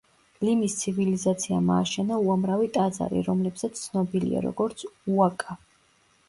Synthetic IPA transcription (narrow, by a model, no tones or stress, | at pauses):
limist̪sʰivilizat̪sʰiama̰ːʃɛnauamɾavit̪ʼad̪za̰ɾḭɾɔmlɛbzat̪st̪sʰnɔbilḭa̰ɾɔ̰ɡɔɾt̪sʰuakʼa